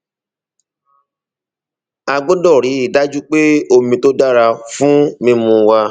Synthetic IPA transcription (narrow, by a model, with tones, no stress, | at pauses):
a˧ɡ͡bo˦dɔ˦˨ɾi˨˦i˦˨da˦d͡ʒu˦k͡pe˦o˧mĩ˧to˦da˦ɾa˧fũ˦mĩ˦mũ˧wa˧